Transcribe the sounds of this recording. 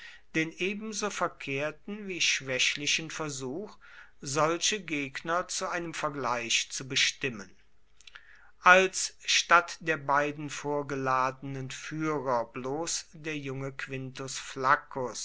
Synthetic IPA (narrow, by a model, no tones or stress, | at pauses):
d̥eːnʔeːbm̩zoːfɛɐkʰeːɐtn̩viːʃv̥ɛʃlɪʃənfɛɐzuːx | zɔlʃəɡeːknɐt͡suʔaɪnəmfɛɐɡlaɪʃt͡subəʃtɪmən | ʔalsʃtatd̥eːɐbaɪdn̩foːɐɡəlaːdənənfyːʁɐbloːsd̥eːɐjʊŋəkv̥ɪntʊsflakʊs